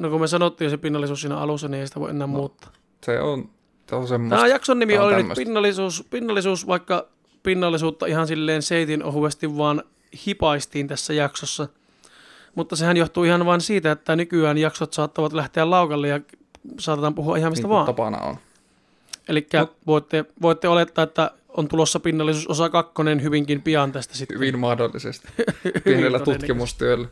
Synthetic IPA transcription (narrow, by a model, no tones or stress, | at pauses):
nokummesɑnot̪ːiːjosepinːɑlːisuːsiːnæ̰ɑ̰lusːɑniʔeisi̥t̪æʋo̰ʔenːæːmmuːt̪ːɑ̥ː | sḛon | seonsemːt̪æjɑksonːimiolinyːo̰spinːɑlːˑisuːspinːɑlːisuːsʋɑˑikːɑ | pinːɑlːisuːt̪ːɑihɑnsilːeːnseˑit̪inʔo̰huʋest̪iʋʋɑːn | hipɑist̪iːnt̪æsːæjɑksosːɑ | mut̪ːɑsehænjoht̪uihɑnʋɑːnsiːt̪æet̪ːænykyæːnjɑksot̪sɑːt̪ːɑʋɑt̪læht̪eællɑˑukɑlːejɑsɑːt̪et̪ɑːmpuhuɑ̰ʔihɑmist̪ɑʋɑːntɑpɑ̰nɑ̰o̰n | ʔelikːæʋoˑit̪ːeʋoit̪ːeolet̪ːɑːet̪ːæ | ont̪ulosːɑpinːɑlːisuːsosɑkɑkːonenhyʋiŋkimpiɑnt̪æst̪æ̥sit̪ːyʋinmɑhdolːḭsḛst̪i̥yienelːæt̪unːkimust̪yøelːæ